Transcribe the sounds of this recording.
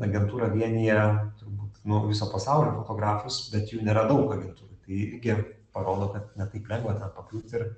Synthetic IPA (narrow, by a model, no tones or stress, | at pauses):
ɐɡʲɛnt̪uːɾɐʋʲiɛnʲijɛt̪ʊɾbuːt̪nʊʋʲɪsoːpɐsɑʊlʲoːfot̪oːɡɾɑːfʊsbʲɛt̪juːnʲeːɾɐd̪ɐʊkɐɡʲɛnt̪uːɾoːt̪ɐɪɪɾʲɡʲɪpɐɾoːd̪oːkɐt̪nʲɛt̪ɐɪplʲɛŋɡʋɐt̪ʲɛnpɐklʲuːt̪ʲɪɾ